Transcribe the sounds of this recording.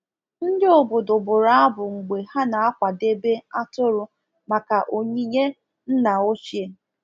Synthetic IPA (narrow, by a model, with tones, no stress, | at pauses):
n̩˦dɪ˦ʊ˨bʊ˨dʊ˨bʊ˨ɾa˦a˦bʊ˨ŋ͡m̩˨ɡ͡be˨ha˦na˨a˦kʷa˨de˦be˦a˦tʊ˦ɾʊ˦ | ma˨ka˨ʔo˨ɲi˦ɲe˦ | n̩˦na˨o˦t͡ʃi˦e˦